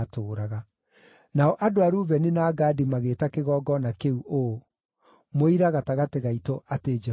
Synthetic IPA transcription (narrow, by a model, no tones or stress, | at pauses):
toːɾaɣa | naɔʔadoaɾuːβɛnenaːɡaːdimaɣeːtakeɣɔːɡɔnakeuʔo | moiɾaɣataɣateɣaitoʔated͡ʒ